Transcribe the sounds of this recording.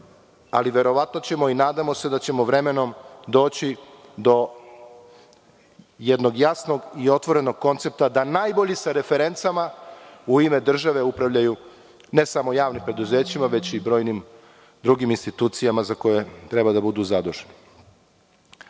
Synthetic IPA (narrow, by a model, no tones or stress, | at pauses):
aliʋe̞ɾo̞ʋat̪no̞t͡ɕe̞mo̞inaːd̪amo̞se̞d̪at͡ɕe̞moʋɾe̞me̞no̞md̪o̞ːt͡ɕi | d̪o̞ | jed̪no̞ɡjasno̞ɡio̞t̪ʋo̞ɾe̞no̞ɡ̚ko̞nt̪se̞p̚t̪ad̪anajboʎisaɾe̞feɾe̞nt̪samauime̞d̪r̩ʒaʋe̞upɾaʋʎaju | ne̞samo̞jaːʋnimpɾe̞d̪uze̞ːt͡ɕimaʋe̞t͡ɕibɾo̞ːjnim | d̪ɾuɡiminst̪it̪uːt̪sijamazako̞je̞t̪ɾe̞bad̪abud̪uzad̪oʒeni